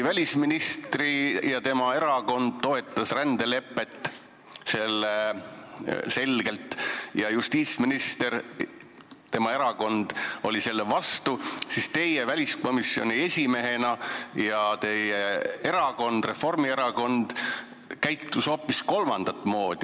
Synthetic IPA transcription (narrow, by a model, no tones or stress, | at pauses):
vælʲisminist̪rijɑt̪e̞mɑe̞ɾɑko̞nd̪̥̚t̪o̞e̞t̪ˑːɑsrænd̪e̞le̞pːˑe̞t̪ːˑ | se̞lːe | se̞lɡ̥e̞lt̪ˑjɑjust̪iːt̪sminist̪e̞r | t̪e̞mɑe̞ɾɑko̞nd̪̥o̞lʲise̞lːevɑst̪usist̪e̞jevælʲisko̞misjo̞̰nie̞sʲime̞ɦe̞nɑjɑt̪e̞jeeɾɑko̞nd̪̥re̞fo̞rmie̞ɾɑko̞nd̪̥ | kæjt̪ːuso̞ːpːisko̞lmɑnd̪̥ɑt̪ːˑmo̞ːd̪̥i